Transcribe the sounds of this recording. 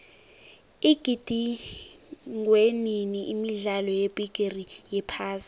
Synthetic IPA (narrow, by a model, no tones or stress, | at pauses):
iɡ̥ʱid̥ʱi | ŋweniniʔimiɮalɔjeb̥ʱiɡ̥ʱerijɛpʰaːza